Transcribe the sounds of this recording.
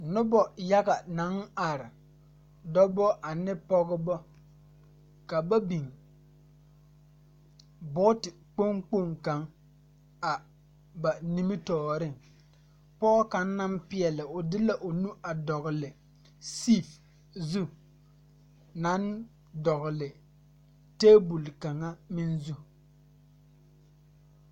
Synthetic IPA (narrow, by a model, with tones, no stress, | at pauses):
nʊ˦bɔ˨ja˦ɡa˨na˨˦ŋa˨ɾɪ˨ | dɔ˦bɔ˦ʔa˨nɪ˦pɔ˦ɡɪ˦bɔ˦ | ka˨ba˦bi˨ŋ | bʊ˦tɪ˨k͡po˦ŋk͡po˦˨ŋka˨ŋ | a˨ | ba˨ni˦mɪ˦tɔː˨ɾɪ˦˨ŋ | pɔː˦ka˨n˦na˦mpɪ˦ɛ˨lɪ˨ʔʊ˨dɪ˦la˦ʔʊ˨nu˦ʔa˨dɔ˨ɣʊ˨lɪ˨ | si˦˨f | zu˦ | na˦n | dɔ˨ɣɪ˨lɪ˨ | teː˦bu˨lka˨ŋa˦mɪ˦nzu˦